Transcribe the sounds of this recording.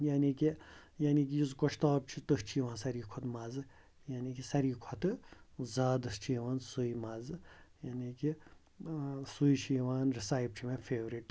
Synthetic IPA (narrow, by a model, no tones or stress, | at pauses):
jaːniːkijaːnikijizkoʃt̪aːb̚t͡ʃʰit̪ɨst͡ʃʰiːʋãːnsɐɾiːkʰot̪mɐzɨ | jaːnikisɐɾiːkʰɔt̪ɨzaːd̪ɨst͡ʃʰiːʋaːnsuimɐzɨjaːniːki | suiʃʰiːʋaːnɾisaːjb̚t͡ʃʰimẽfʰeːʋɾiʈ